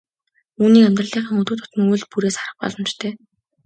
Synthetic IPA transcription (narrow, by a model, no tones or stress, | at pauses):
uːniːkæmʲt̪rə̆ɮiːχiːŋut̪ŭːt̪ʰʊ̥t̪ə̆ŋujɮpuɾeːsaɾə̆χ̚pɔ̰ɮɞ̆mt͡ɕt̪ʰeː